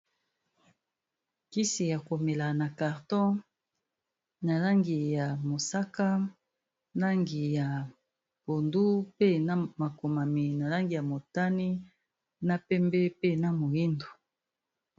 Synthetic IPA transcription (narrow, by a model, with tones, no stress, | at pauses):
ki˦si˨ja˨ko˨me˨la˨na˨ka˨ʁtɔ̃˦ | na˨la˦ŋɡi˨ja˨mo˨sa˦ka˦ | na˦ŋɡi˨ja˨ | bo˨ndu˦pe˦na˦ma˨ko˨ma˨mi˨na˨la˦ŋɡi˨ja˨mo˨ta˦ni˦ | na˦pɛ˦mbɛ˦pe˦na˦mo˨ji˦ndo˨